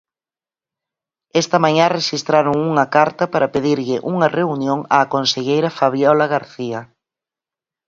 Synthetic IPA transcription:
ɛst̪ɐmaɲãreʃist̪ɾaɾʊŋuŋɐkaɾt̪ɐpaɾɐpeðiɾʎɪʔuŋɐreunjoŋaːkonseʎejɾɐfaβjɔlɐɣaɾθiɐ

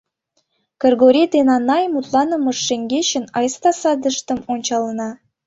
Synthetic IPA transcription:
kɤ̆rɡoɾʲed̪enɑnɑjmut̪lˠɑnɤ̆mɤ̆ʃːeŋɡʲeɕə̆nɑjst̪ɑsɑd̪əʃt̪ə̆monʲt͡ɕɑlˠɤnɑ

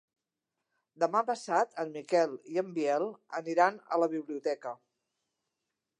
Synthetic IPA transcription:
d̪əmapəsat̪ʰəmmikɛlˠiəmbiɛlˠə̰niɾanə̰ləβiβ̞liut̪ɛkə

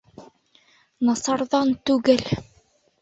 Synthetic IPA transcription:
nɑsɑɾðɑnt̪ʉɡɘl

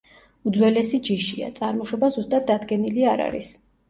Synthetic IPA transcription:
ud̪zwɛlɛsid͡ʒiʃia̰t̪sʼaɾmɔʃɔbazust̪ʼat̪̚d̪ad̪ɡɛniliaɾa̰ɾḭs

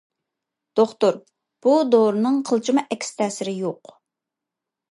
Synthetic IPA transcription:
d̪̥oχt̪ʊɾ | b̥ud̪oɾnɨŋqʰəlˠt͡ʃʰimɑʔɛkʲst̪ʰɛːsɪɾɪjoq

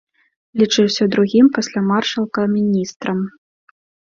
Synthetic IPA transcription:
lʲit͡ʂɨwsʲɐd̪ɾuɣʲimpɐsʲlʲamarʂɐlˠkɐmʲinʲist̪ɾɐm

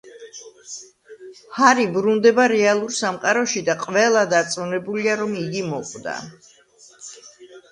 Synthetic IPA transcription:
haɾibɾund̪ɛbaɾɛalˠuɾsamqʼaɾɔʃid̪aqʼvɛlˠad̪at̪sʼɔnɛbuliaɾɔmiɡimɔqʼd̪a̰

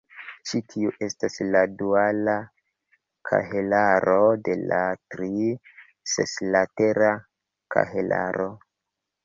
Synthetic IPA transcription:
t͡ʃitʰiuʔe̞stasladuala | kʰa̰ɦelaɾo̞de̞latɾi | se̞slateɾa | kʰa̰ɦelʔa̰ɾo

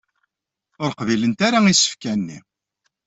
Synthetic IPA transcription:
ʊɾqvilənt̪aɾaisə̥fkænːḭ

